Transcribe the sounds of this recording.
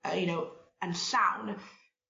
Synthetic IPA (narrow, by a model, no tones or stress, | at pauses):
ʌjɨnoʊ | ɨ̃nsãʊ̃n